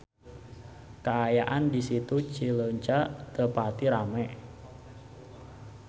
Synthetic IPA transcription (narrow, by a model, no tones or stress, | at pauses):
kaajaʔandisit̪ut͡ʃiləɲt͡ʃaʔt̪əpat̪iɾamɛ